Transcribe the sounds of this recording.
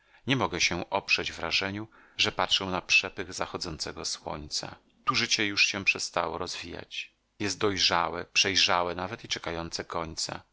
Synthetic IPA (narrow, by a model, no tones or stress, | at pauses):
ɲɛmɔɡɛɕɛʔɔpʂɛd͡ʑvɾaʐɛɲu | ʐɛpatʂɛ̃w̃napʂɛpɘɣzaxɔd̪zɔnt̪sɛɡɔswɔ̰ɲt̪sa̰ | t̪uʐɘt͡ɕɛjuʂɕɛpʂɛst̪awɔɾɔzvʲija̰t͡ɕ | jɛst̪̚d̪ɔjʐawɛpʂɛjʐawɛnavɛt̪it͡ʂɛkajɔnt̪sɛkɔɲt̪sa̰